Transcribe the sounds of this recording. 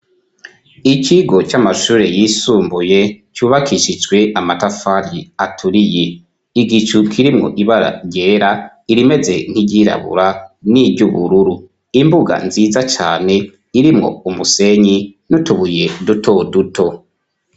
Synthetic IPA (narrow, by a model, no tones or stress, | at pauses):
icʰiɡo̞t͡ʃamaʃuːɾe̞jiːsuːmbuje̞cuːβakʰiʃid͡ʒɡwe̞ʔamatafaɾiatʰuɾije̞ | iɡit͡ʃukʰiɾimŋo̞̰ʔiβaɾa̰ɾɟeːɾa | iɾime̞ze̞n̥hiɟiɾa̰βṵɾanibɟuβṵɾuɾu | imbuɡa̰nziːzat͡ʃa̰ːne̞ | iɾimŋo̞̰umuse̞ɲinutuβuje̞dutʰo̞dutʰo̞